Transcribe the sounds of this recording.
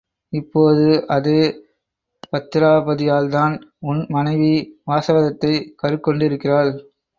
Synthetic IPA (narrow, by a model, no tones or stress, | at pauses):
ɪpːoːðɯʔɐðeː | pɐt̪ːɪɾaːbɐðɪjaːlt̪aːnʊnmɐnɐɪʋiʋaːsɐʋɐðɐt̪ːɐɪkɐɾɯkːɔɳɖɪɾɯkːɪraːɾ